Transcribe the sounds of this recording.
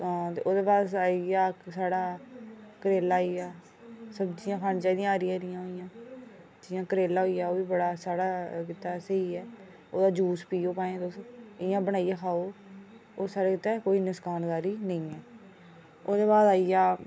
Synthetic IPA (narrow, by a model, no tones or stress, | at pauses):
ãːt̪ḛːʔoːd̪eːbaːd̪saːijaːsaːɽaːkəɾeːlaːiːaː | səbd͡ʒijãːkʰaːnt͡ʃaːd̪ĩjãːaːɾɪjãːɾɪjãːɦoːijãː | d͡ʒiːjãːkəɾeːlaːɦoːiːjaːoːʋiːbəɽaːsaːɽaːkɪt̪aːsəɦiːɛː | o̰ːd̪aːd͡ʒuːspiːoːpaːẽːt̪esɪjãːbəɽaːijãːkʰaːoː | oːsaːɽaːkɪt̪ːaːkoːiːnɪskaːnd̪aːɾiːnəĩːɛː | oːd̪eːbaːd̪aːijaː